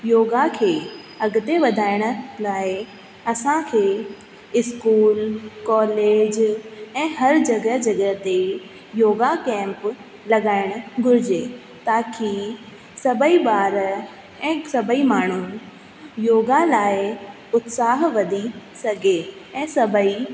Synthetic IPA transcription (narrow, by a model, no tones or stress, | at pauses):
joːɡakʰeː | ɐɡʊt̪eʋɐd̪ʱaːɪɽ̃ʊ̆laːɪ | ɐsãkʰeː | ɪskuːlkɔːleːd͡ʑɛ̃ːɦɐɾd͡ʑɐɡəd͡ʑɐɡəɦt̪e | joːɡakɛ̃ːmp | lɐɠaːɪɽ̃ʊ̆ɡʱʊɾɪd͡ʑeː | t̪aːkʰi | sɐbʱəiɓaːɾ | ɛ̃ːsɐbʱəimaːɳ̤u | joːɡalaːɪ | ʊt̪saːɦʋɐd̪ʱisɐɡʱeɛ̃ːsɐbʱəi